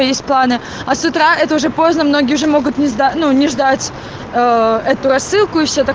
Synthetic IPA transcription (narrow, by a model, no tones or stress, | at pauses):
ojesʲt̪̚ʲplˠanɨ | ɐsʊt̪ɾaɛt̪əʊʐɛpo̞znəmnoɡʲɪjəʊʐɛmo̞ɡʊt̪nʲɪʐd̪anunʲɪʐd̪atʲ | əɛt̪ʊɾɐsːɨlˠkʊɪfɕʲot̪ɐ